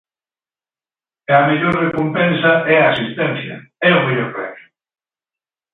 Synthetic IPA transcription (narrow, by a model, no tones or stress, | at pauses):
ɐmeʎoɾrekompɛ̃nsɐɛaːsist̪ɛn̟θjɐ̰ɛomeʎoɾpɾɛ̰mjʊ̥